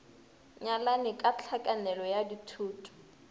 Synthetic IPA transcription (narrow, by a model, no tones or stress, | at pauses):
ɲalanɪkʼat͡ɬʰakʼanɛlɔjaditʰuːtʰʼu̥